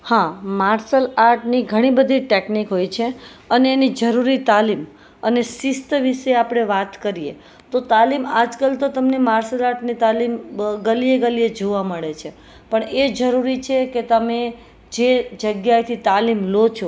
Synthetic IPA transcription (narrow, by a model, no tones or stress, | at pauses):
hãmaɾsəlaɾʈniɡʱəɽ̃ibəd̪ʱiʈeknikɦojt͡ʃʰe | əneːnid͡ʒəɾuɾit̪alim | ənesist̪əʋiʃeapɽ̃eʋat̪kəɾijḛ | t̪ot̪alimad͡ʒkəlt̪ot̪əmnemaɾsəlaɾʈnit̪alimɡəlieɡəlied͡ʒoʋaməɭet͡ʃʰe | pəɳed͡ʒəɾuɾit͡ʃʰeket̪əme | d͡ʒed͡ʒəɡjajt̪ʰit̪alimlot͡ʃʰo